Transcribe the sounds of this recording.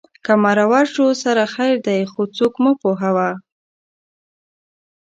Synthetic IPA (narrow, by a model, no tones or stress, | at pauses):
kamaɾawaʃosaɾaxajɾd̪ajxot͡sokmupoɦawa